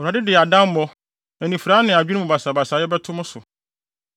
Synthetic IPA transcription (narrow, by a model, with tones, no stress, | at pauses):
wɾa˨dɪ˦dɪ˨a˨dã˦m˦mɔ̃˦ | æ̃˨nĩ˨fu˨ɾa˦nɪ̃˨a˨d͡ʑᶣu˦nũ˦˨ba˨sa˨ba˨saː˨˦jɛ˦bɛ˦tʰʊ̃˦mʊ̃˦sʊ˨